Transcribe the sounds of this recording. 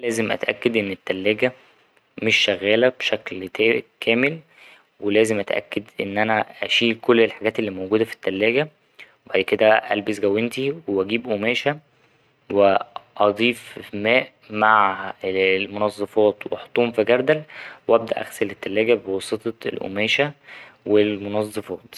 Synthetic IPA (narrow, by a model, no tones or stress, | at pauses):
læːzemʔæ̰t̪ʔæ̰kːæd̪ʔenːet̪ːælːæːɡæ | meʃːæɣːæːlæb̥ʃæklt̪æːkʰæːmel | welæːzemʔæt̪ʔæ̰kːed̪ʔḛnːʔænæʔæʃiːkolːelħaɡæːt̪elːiːmowɡuːd̪æfi̥t̪ːælːæːɡæ | webaʕd̪ked̪æʔæ̰lbesɡæwːent̪iweʔæɡiːbʔomæːʃæ | weʔɑd̪ˤiːfmæːʔ | maʕ | lmonɑzˤːɑfɑːt̪weʔɑħt̪ˤːuːmfiɡæɾˤd̪ælwʔæb̚d̪æ̰ʔæ̰ɣselet̪ːælːæːɡæbewɑsˤet̪ˤɑelʔo̰mæːʃæwelmonɑzˤːɑfɑːt̪